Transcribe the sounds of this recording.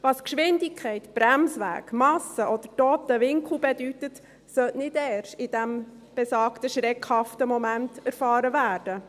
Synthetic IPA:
ʋɑskʃʋɪndɪkʰɛɪtb̥ɾæmsʋæ̰ːɡ̥mɑsəʔɔd̥əɾtoːt̪əʋɪŋkʰl̩ˠbɛdytət | sœʔnɪdɛːɾʃɪdæm | b̥ɛsɑːktəʃɾɛkhɑftəmɔmæntæɾfɑːɾəʋæːɾd̥ə

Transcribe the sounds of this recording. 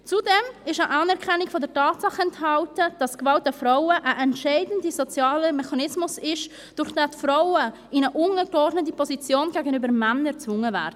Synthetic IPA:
t͡sudɛmɪʃəʔɑnɛɾkʰɛnːikfɔdɛɾtɑːtsɑχɛnthɑltəd̥ɑskvɑlt̚dəfɾaʊəʔəʔɛntʃɛɪdn̩dizɔt͡sjɑːləmɛχɑnɪsmʊsɪʃ | d̥ʊɾχd̥aːtfɾaʊə | ɪnəʔʊnəɡ̥ɔrdnət̬ipʰɔzit͡sjoːnɡæːɡənybəɾmɛnət͡svʊŋːəvɛ̰ːɾd̥n

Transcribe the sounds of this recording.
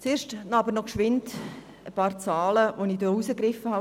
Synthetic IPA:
t͡seːɾʃtnɑbəɾnɔkʃʋɪnt | əpɑːɾt͡sɑːləʋoniːdousəkɾɪfəhɑ

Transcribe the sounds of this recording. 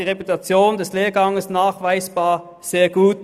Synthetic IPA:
iːʁeputat͡sjoːndɛsleːɐɡɑŋəsnaːχv̥aɪsb̥aːɐ | z̥eːɐɡ̥uːt

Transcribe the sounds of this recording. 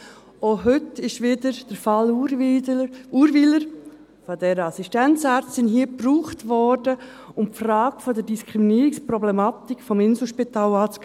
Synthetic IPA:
oɦʏtɪʃʋɪdəɾd̥əɾfɑl | uːɾviləɾ | fɔdɛːɾəɑsistɛnt͡saːɾt͡ssɪnɦiːəpruːχtvɔɾdə | ʊmpfraːɡ̥əfɔdəɾdiskʰɾiminiːɾikspɾɔblɛmɑːt̪ikfɔmɪnsl̩ʃpitaːlɑːt͡sk

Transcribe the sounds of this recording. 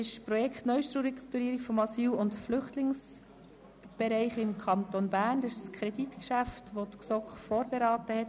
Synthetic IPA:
ɪʃpɾɔjɛkχtnœʏʃtɾuɾkt̪uɾiːɾikfɔmɑsiːlʊntflʏχtlɪŋs | b̥ɛɾɛɪχɪmkʰɑnt̪onbæːɾndɑsɪʃskʰɾɛdit̪kʃæftʋot̪ksɔkχfoːɾbeɾɑːt̪əhɛt

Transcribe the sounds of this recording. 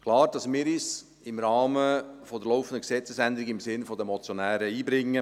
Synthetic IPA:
kʰlɑːɾd̥ɑsmɪːɾiːs | ɪmɾɑːməfɔd̪əɾloʊfən̩d̪əksɛt͡səsænd̪əɾɪɡɪmsɪnfɔd̪əmɔt͡sjonæːɾəiːbɾɪŋːə

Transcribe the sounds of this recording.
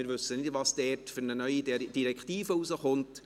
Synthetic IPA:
ɪːɾʋɵsːənɪdʋɑsd̥ɛːtfʏɾnənœʏid̥iɾɛktiːfəuzəχʊnt

